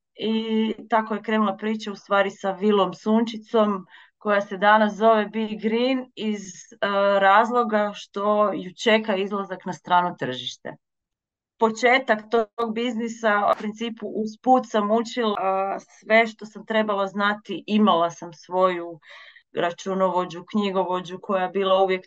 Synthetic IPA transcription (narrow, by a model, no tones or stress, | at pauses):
it̪akoje̞kɾe̞ːnulˠapɾiːt͡ʃaust̪ʋaːɾisaʋilˠo̞msuːnt͡ʃit̪so̞m | ko̞jase̞d̪anas̬zo̞ʋe̞biɡɾinizɾaːzlˠo̞ɡaʃt̪o̞jut͡ʃe̞kaizlˠazaknast̪ɾaːnut̪r̩ʒiʃt̪ḛ | po̞t͡ʃeːt̪akt̪oɡ̚biznisaṵpɾint̪siːpuʔuz̥puːt̪samut͡ʃilasʋe̞ʃt̪o̞samt̪ɾe̞balˠaznat̪iʔimalasamsʋo̞ju | ɾat͡ʃunoʋo̞d͡ʑukɲiɡoʋo̞d͡ʑukʰo̞jajebiːlˠauʋjek̪